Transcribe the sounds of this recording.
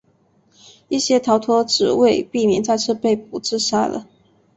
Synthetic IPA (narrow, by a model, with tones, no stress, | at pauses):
i˥˩ɕjɛ˥t̪ʰɑ˧˥ʊt̪ʰwɔ˥ʈ͡ʂɻ̩˨˩we˥˧ɪpi˥˩mjɛ˨˥nt͡sa˥˧ɪʈ͡ʂ̩ʰ˥˧pe˥˩ɪp̚u˨˩t͡sɹ̩˥˧ʂa˥lə̰˨